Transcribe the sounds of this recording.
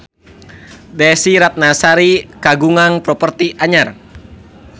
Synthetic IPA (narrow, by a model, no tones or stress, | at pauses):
dɛsiɾat̪̚nasaɾikaɡuŋaŋpɾɔpərt̪iʔaɲar